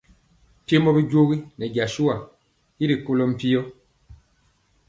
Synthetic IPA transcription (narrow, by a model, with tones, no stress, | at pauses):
te˦mɔ˦bi˦ɟo˦ɣi˦nɛ˨ɟa˨ʃu˦a˨ | i˦ɾi˨ko˦lɔ˦m̩˦˨pi˦jɔ˦